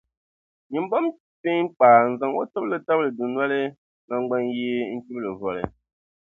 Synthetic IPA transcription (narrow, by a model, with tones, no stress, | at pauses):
ɲi˨m̩˦bɔ˦m | pe˦k͡paː˨n̩˨za˨ŋwɔ̰˦tə˦b̚lə˦ta˦blə˨du˨nwa˦le˦ | ŋa˨ŋ˦ɡ͡bɛ˦ŋjeː˦ŋ̩˦ki˦blə˨vɔ˨lɛ̰˨